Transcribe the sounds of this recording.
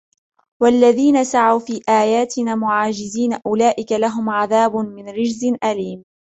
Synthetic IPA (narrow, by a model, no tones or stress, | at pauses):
walːaðiːnasaʕawfiːʔaːjaːt̪ɪnaːmʊʕaːd͡ʒɪziːnaʔʊlaːʔɪkalaɦʊmʕaðaːbmɪnɾɪd͡ʒzɪnʔaliːm